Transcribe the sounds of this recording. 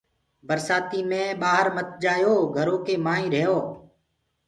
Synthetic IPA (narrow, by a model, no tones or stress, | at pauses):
bəɾsaːt̪iːmẽːɓaːɦəɾmət̪̚d͡ʒaːjoːɡʱəɾoːkeːmaːĩːɾəɦjoː